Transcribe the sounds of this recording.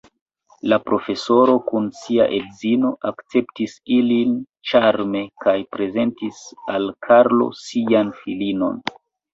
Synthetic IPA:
lapɾo̞fe̞so̞ɾo̞kunsia̰ʔe̞dzino̞ʔakt͡se̞ptisilin | t͡ʃaɾme̞kajpɾe̞ze̞ntisalkʰaɾlo̞̰sianfilino̞̰n

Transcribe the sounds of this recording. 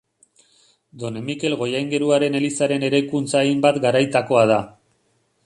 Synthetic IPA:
d̪o̞ne̞mike̞lɣo̞jajŋɡe̞ɾuaɾe̞ne̞lisaɾe̞ne̞ɾajkunt͡saimbat̪ɡaɾajt̪ako̞að̞a

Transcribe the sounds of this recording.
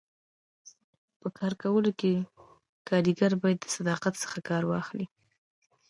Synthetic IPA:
pəkʰɑɾkawəloke | kɑɾiɡaɾbɑjad̪ːəsad̪ɑqat̪sə̥xakɑɾwɑ̰xli

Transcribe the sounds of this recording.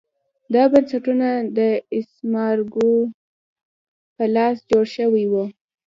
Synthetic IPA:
d̪ɑbansaʈunad̪əɪsmɑɾɡu | pəlɑsd͡ʒoɽʃəwijwu

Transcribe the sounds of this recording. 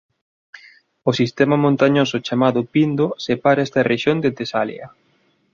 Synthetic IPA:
ʊsist̪ɛmɐmõnt̪aɲosʊt͡ʃamaðʊpind̪osepaɾɐɛst̪ɐrʔeʃjond̪et̪esalj̰ɐ̰

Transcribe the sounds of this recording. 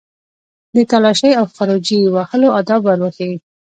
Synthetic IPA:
d̪ət̪alɑʃəjawxɑɾod͡ʒiwahəload̪ɑbaɾwəxewi

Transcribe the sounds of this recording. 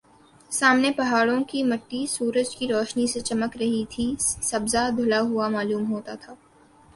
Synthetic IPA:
saːmnepɐɦaːɽõkimɐʈːisuːɾəd͡ʒkiɾɔːʃniset͡ʃɐməkɾɐɦit̪ʰisɐbzad̪ʱʊlaɦʊamaːluːmɦoːt̪at̪ʰaː

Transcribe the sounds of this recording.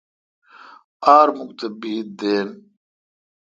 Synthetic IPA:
aːɾmukt̪ebiːt̪̚d̪eːn

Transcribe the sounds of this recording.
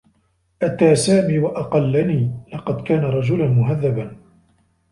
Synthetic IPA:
ʔat̪aːsaːmiːwaʔɑqɑlːaniːlɑqɑd̪kaːnaɾˤɑd͡ʒʊlʊnmʊɦaðːaban

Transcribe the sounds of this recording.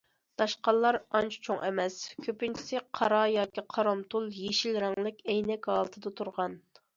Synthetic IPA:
d̪̥ɑʃqɑlˠːɑɾɑnt͡ʃʰt͡ʃʰoŋʔɛ̰mɛskʲʰøpynt͡ʃʰi̥sɪqʰɑɾɑjɑːkʲiqʰɑɾɑmt̪ʰulˠjeʃilɾɛŋlˠɪkʲɛjnɛkʲɦɑːlˠɨt̪ʰɨd̪ɑt̪ʰuɾʁɑn

